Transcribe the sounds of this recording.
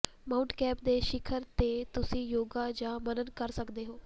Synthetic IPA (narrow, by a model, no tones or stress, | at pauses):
mãːʊɳʈkɛːp̚d̪eːʃɪkʰəɾt̪eːt̪ʊsĩːjoːɡaːd͡ʒãːmənənkəɾsəkd̪eːɦoː